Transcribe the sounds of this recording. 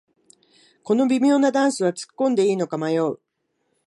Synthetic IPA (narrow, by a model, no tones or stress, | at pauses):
ko̞no̞bʲimʲo̞ːnad̪ãɰ̃sɨβat͡sɨ̥kːõ̞nd̪e̞iːno̞kamajo̞ː